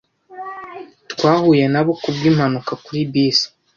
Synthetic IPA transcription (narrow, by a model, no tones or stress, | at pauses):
twaːhuje̞naβokubɡiːmhanukakuɾibiːsḁ